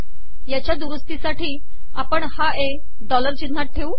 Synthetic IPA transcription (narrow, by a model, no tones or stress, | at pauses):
jat͡ɕjad̪uʋəst̪isaʈiː | apəɳhae | ɖɔləɾt͡ɕin̤ːaʈ̚ʈʰːeu